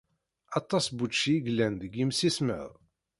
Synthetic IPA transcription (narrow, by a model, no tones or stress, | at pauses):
ɑt̪ˤːɑsbuʃiiɡlːænd̪əɡimsismə̰ðˤ